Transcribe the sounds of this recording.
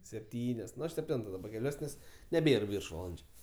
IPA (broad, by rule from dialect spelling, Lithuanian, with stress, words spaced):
sʲɛpʲˈtʲiːnʲoːs sʲɛpʲˈtʲɛntoː dɐˈbɐ kʲɛˈlʲuɔs nʲɛs nʲɛˈbʲeːr ˈʋʲɪrʃʋɐlˠɐnʲd͡ʒʲʊ